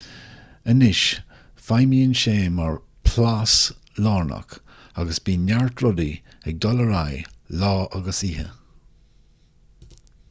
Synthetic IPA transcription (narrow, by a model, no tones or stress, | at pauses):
ənɪʃ | fajmiːənʃeːmaɹ | pʰlas | lɔːɹna̰k | aɡəsbiːnʲaɹtʰɹʊd̪i | ɛk̚d̪ɔləɹajlɔːʔaɡəsiːhə̰